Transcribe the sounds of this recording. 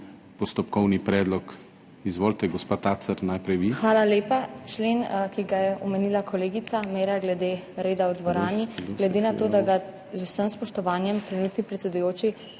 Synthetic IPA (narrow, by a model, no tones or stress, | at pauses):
pɔst̪ɔp̚kɔwnipɾɛːd̪lɔk | izʋoːlt̪ɛɡɔspaːt̪asəɾnajpɾɛjʋixʋaːlaleːpat͡ʃleːnkiɡajɛʔɔmɛnilakʰɔleːɡit̪sameːɾaɡlɛd̪eː | ɾeːd̪awd̪ʋɔɾaːniɡlɛd̪enat̪oːd̪aɡa | zusəmspɔʃt̪ɔʋaːnjɛmt̪ɾɛnuːt̪nipɾɛt̪sʲɛd̪ujoːt͡ʃi